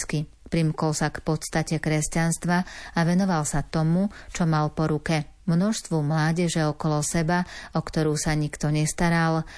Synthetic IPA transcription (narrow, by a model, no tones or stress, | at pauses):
ski | pɾimkɔlsakpɔt̪st̪acɛkɾɛscanst̪ʋaaʋɛnɔʋalsat̪ɔmut͡ʃɔmalpɔɾukɛmnɔʃst̪ʋumlaːɟɛʒɛɔkɔlɔsɛbaɔkt̪ɔɾuːsaɲikt̪ɔɲɛst̪aɾal